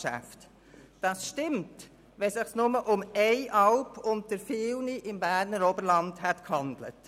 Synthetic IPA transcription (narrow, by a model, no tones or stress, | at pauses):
ʃæ̰ft | d̥ɑsʃtɪmt | ʋɛsɪχsnʊməʔʊmɛɪʔɑlpʰʊnt̚əɾfɪːlniʔɪmbæːɾnəɾɔbəɾlɑndhɛtkhɑnd̪lə̰t